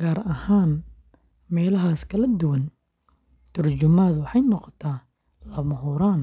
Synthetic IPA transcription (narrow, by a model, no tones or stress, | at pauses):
ɡaːɾɐhaːn | mɛːlɐɦaːskʰɐlɐd̪ʊwɐn | t̪ʰɐrt͡ʃʊmaːd̪wɑħɑjnɔqɔt̪ʰaː | lɐmɐɦuːɾaːn